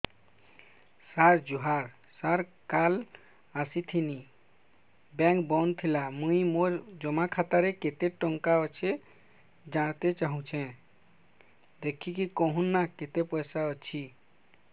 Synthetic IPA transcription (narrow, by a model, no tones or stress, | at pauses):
saɾd͡ʒuɦaɾ | saɾkal | asit̪ʰini | bɛ̃ŋkbɔnt̪ʰilamũimoɾd͡ʒɔmakʰat̪aɾeket̪eʈɔŋkaɔt͡ʃʰe | d͡ʒaɽ̃t̪et͡ʃaɦũt͡ʃʰẽ | d̪ekʰikikɔɦunːaket̪epɔjsaɔt͡ʃʰi